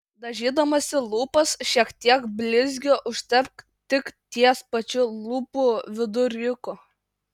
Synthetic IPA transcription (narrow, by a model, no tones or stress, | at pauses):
d̪ɐʒʲiːd̪ɐmɐsʲɪlˠuːpɐsʃʲiɛkt̪ʲiɛkbʲlʲɪzʲɡʲoːʔʊʃʲt̪ʲɛɾk | t̪ʲɪkt̪ʲiɛspɐt͡ʃʲʊlˠuːpuːʋʲɪd̪ʊɾʲɪkʊ